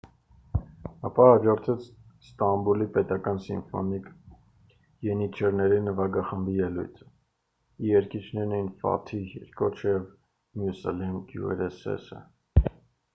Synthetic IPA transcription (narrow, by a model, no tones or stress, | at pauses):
ɑ̰pɑhɑd͡ʒɔɾt̪ʰɛt͡sʰst̪ɑmbulipɛt̪ɑkɑnsiɱfɔ̰nik | jɛnit͡ʃʰɛɾnɛɾinəvɑɡɑχəmbijɛlṵjt̪ʰə̥ | iɛɾkit͡ʃʰnɛɾnɛjnfɑ̰t̪ʰijɛ̰ɾkɔt͡ʃʰjɛv | mjusɛlɛmɡjṵɛ̰ɾɛsɛ̰sə̰